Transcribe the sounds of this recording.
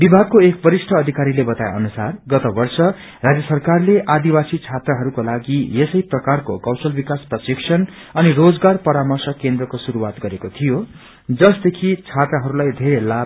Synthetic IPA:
bibʱaɡ̚koekbʌɾisʈʰʌːd̪ʱikaɾilebʌt̪aj̰ʌ̰nusarɡʌt̪ʌbʌrsʌ | rad͡zjʌsʌrkarleʔad̪ibasit͡sʰat̪raɦʌɾukolaɡijesʌjprʌkarkokʌwsʌlbikasprʌsiksʰʌn | ʌnirod͡zɡarpʌɾamʌrsʌkːend̪rʌkosuɾuwat̪ɡʌɾekot̪ʰijo | d͡zʌsd̪ekʰit͡sʰat̪raɦʌɾulajd̪ʱeɾela

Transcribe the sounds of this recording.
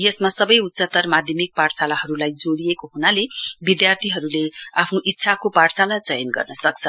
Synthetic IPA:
jesmasʌbʌjut̪ːsʌt̪ʌrmad̪ʱjʌmik̚paɽsalaɦʌɾulajd͡zoɽijekoɦunalebid̪jart̪ʰiɦʌɾuleapʰnoʔitːsʰakopaɽsalat͡sʌjʌnɡʌ̰rnʌsʌkt͡sʰʌ

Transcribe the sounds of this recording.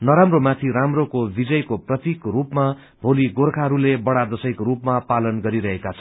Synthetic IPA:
nʌɾamromat̪ʰiɾamrokobid͡zʌjkoprʌt̪ikrupma | bʱoliɡorkʰaɦɾulebʌɽad̪ʌsʌjkorupmapalʌnɡʌɾiɾʌɦekat͡sʰʌ

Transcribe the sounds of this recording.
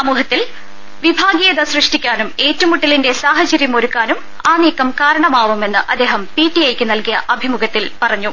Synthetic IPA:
sɐmuːhɐt̪ːil | ʋibʱaːɡijɐðɐsrɨʂʈikʲːaːnume̞ːtːumuʈːilinde̞saːɦɐt͡ɕɐɾjɐmo̞ɾukːaːnum | aːniːkːɐmkaːɾɐɳɐmaːʋume̞nːɨʔɐd̪ːe̞ːɦɐmpiːʈːijejkʲːɨnɐlkijɐʔɐbʱimuɡʱɐt̪ːilpɐrɐɲːu

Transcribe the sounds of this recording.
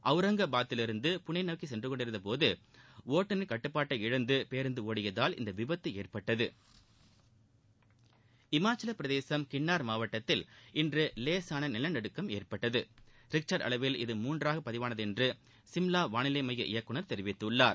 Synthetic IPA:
ʔɐʋɯɾɐŋɡɐbaːt̪ːɪlɪɾɯnd̪ɯpʊɳɐɪnɐʋkːisɛndrɯkɔɳɖɪɾɯnd̪ɐp̬oːðɯʋoːʈːɐnɪnkɐʈːɯpːaːʈːɐɪɪɻɐnd̪ɯpeːɾɯnd̪ɯoːɽɪjɐðaːlɪ̰nd̪ɐʋɪbɐt̪ːɯeːrpɐʈːɐðɯ | ɪmaːt͡ʃːɪlɐpɪɾɐðeːsɐmkɪɳːaːɾmaːʋɐʈːɐt̪ːɪlɪndrɯleːsaːnɐnɪlɐnɐɽɯkːɐmeːrpɐʈːɐðɯɾɪk̚t͡ʃɐɾɖɐ̰ɭɐʋɪlɪðɯmuːndraːɣɐpɐðɪʋaːnɐðɛndrɯ | sɪmlaːʋaːnɪleːmɐjːɐʔɪ̰jɐkːɯɳɐɾt̪ɛɾɪʋɪt̪ːɯɯɭːaːɾ

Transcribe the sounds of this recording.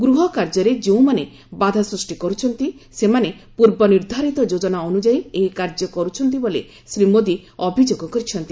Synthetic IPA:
ɡɾuɦɔkaɾd͡ʒɔɾed͡ʒeũmane | bad̪ʱasɾusʈikɔɾut͡ʃʰɔnt̪isemanepuɾbɔniɾd̪ʱaɾit̪ɔd͡ʒod͡ʒɔnaɔnud͡ʒajeɦikaɾd͡ʒɔkɔɾut͡ʃʰɔnt̪̬ibole | sɾimod̪i | ɔbʱid͡ʒoɡɔkɔɾit͡ʃʰɔnt̪i

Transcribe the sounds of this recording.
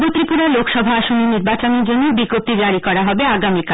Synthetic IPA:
bot̪ɾipuɾalokʃɔbʱaaʃoniniɾbat͡ɕoneɾd͡ʑonːobiɡop̚t̪id͡ʑaɾikɔɾaɦɔbeaɡamika

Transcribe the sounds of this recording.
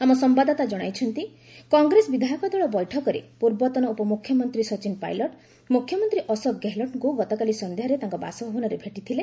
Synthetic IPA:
amɔsɔmbad̪ɔt̪ad͡ʒɔɽ̃ajt͡ʃʰɔnt̪i | kɔŋɡɾesɔbid̪ʱajɔkɔd̪ʱɔɭɔbɔjʈʰɔkɔɾḛpuɾbɔt̪ɔnɔupɔmukʰjɔmɔnt̪ɾisɔt͡ʃinpa̰jlɔʈ | mukʰːjɔmɔnt̪ɾiʔɔsɔɡeɦlɔʈŋkuɡɔt̪ɔkalisɔnd̪eɦɔɾet̪ãŋkɔba̰sɔbʱɔbɔnɔɾebʱeʈit̪ʰile

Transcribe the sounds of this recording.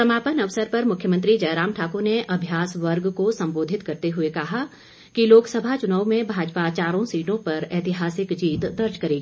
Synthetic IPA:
sɐmaːpənɐʋsəɾpɐɾmʊkʰjəmə̃nt̪̬ɾid͡ʒɐːɾaːmʈʰaːkoneʔɐbʱjaːsʋɐɾɡkosɐ̃mboːd̪ʱɪt̪kɐɾt̪eɦʊekɐɦa | kiloːksɐbʱat͡ʃʊnaːwmẽbʱaːd͡ʒpat͡ʃaːɾõsiːʈõpɐɾɛːt̪ɪɦaːsɪkd͡ʒiːt̪d̪ɐɾd͡ʒkɐɾeːɡiː

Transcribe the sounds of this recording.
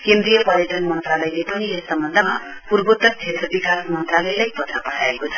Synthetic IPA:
kend̪rijʌpʌɾjʌʈʌnmʌnt̪ralʌjlepʌniesːʌmbʌnd̪ʱama | purbot̪ːʌk̚t͡sʰet̪rʌbikasmʌnt̪ralʌelajpʌt̪rapʌʈʰaekot͡sʰʌ̥

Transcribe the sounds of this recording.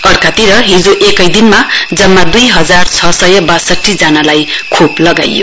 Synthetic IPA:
ʌrkat̪iɾʌɦid͡zoʔekʌjd̪inmad͡zʌmːad̪ujɦʌd͡zart͡sʰʌsʌjʌbasʌʈʰːid͡zanalajkʰoplʌɡa̰jo̰

